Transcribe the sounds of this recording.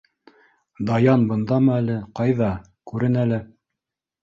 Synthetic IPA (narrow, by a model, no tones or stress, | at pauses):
d̪ɑjɑnbɤ̆nd̪ɑmɤælɘqɑjðɑ | kʉɾɘnælɘ